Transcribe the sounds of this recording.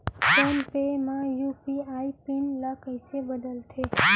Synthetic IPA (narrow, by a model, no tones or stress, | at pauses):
fonpemãjupiaipinləkəjsebəd̪əlt̪ʰe